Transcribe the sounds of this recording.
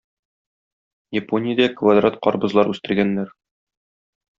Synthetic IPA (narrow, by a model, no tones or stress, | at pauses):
jeponʲɪjəd̪ækvad̪rat̪̚qɒɾbɤ̆zlˠɑɾʉst̪ɘ̆ɾɡænːæɾ